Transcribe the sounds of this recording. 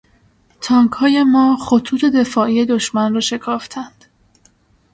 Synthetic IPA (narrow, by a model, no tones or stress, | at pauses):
t̪ʰɒːŋkhɒːje̞mɒːχot̪ʰuːt̪ʰe̞d̪e̞fɒːʔije̞d̪oʃmænrɒːʃe̞kʰɒːft̪ʰænd̪̥